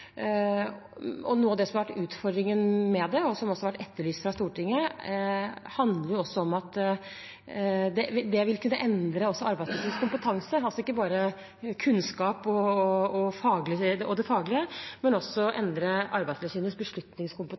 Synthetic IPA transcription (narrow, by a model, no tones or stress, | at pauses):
ɔ̰nuːəɑʋd̪ɛsɔmɑɾʋæʈːʉːt̪fɔɾd̪ɾɪŋənmɛd̪ɛɔsɔmɔsɔɑɾʋæʈːɛt̪ːəɭyːst̪fɾɑst̪uːʈɪŋːə | hɑnd̪ləɾjʊɔsːɔɔmɑt̪ | d̪ɛɪd̪ɛʋɪlkʰʉnːəʔɛnd̪ɾəɔsːɔɑɾbæɪslɛsiːnəskʊmpət̪ʰɑŋsəɑlsɔɪkːəbɑːɾə | kʰʉnskɑːpɔɔfɑːɡlɪɔd̪ɛfɑːɡlɪəmɛnɔsːɔʔɛnd̪ɾəʔɑɾbæɪd̪slɛsiːnəsbəʂɭʉt̪nɪŋskʊmpə